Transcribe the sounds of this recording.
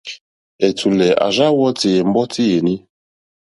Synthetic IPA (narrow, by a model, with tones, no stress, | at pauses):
e˨tu˨lɛ˨ʔa̰˨ʒa˦wɔ˦te˨e˨m̩˦bɔ˦tʰi˦je˨ni˦